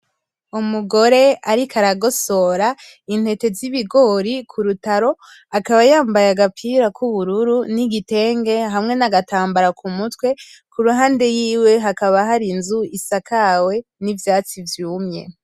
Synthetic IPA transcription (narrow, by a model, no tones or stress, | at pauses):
umuɡo̞ɾe̞aɾikʰaɾaɡo̞so̞ɾa | in̥he̞te̞ziβiɡo̞ɾikʰuɾutaɾo̞ | akaβajaːmbajaɡapʰiːɾakʰuβuɾuɾuniɡite̞ːŋɡe̞ɦamŋe̞naɡataːmbaɾakumutwe̞kʰuɾuɦaːnde̞jiːwe̞ɦakaβaɦaɾinzuisakʰawe̞nivjaːt͡sivjuːmɲe̞̰